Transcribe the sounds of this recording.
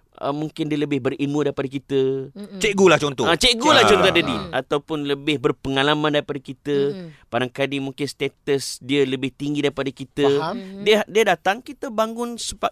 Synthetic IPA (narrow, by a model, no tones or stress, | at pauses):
ə̰mũŋkɪndiələbɪhbərinmudaɾipadakit̪ət͡ʃɛʔɡulaht͡ʃɔnt̪ɔat͡ʃɛʔɡulaht͡ʃɔnt̪ɔdadiat̪awpʊnləbɪhbərpəŋalamãndaɾipadakit̪əb̥aɾaŋkadimũŋkɪnst̪et̪əsdiələbɪht̪iŋɡidaɾipadakit̪ədiədiədat̪aŋkit̪əbaŋɡʊnsəbap̚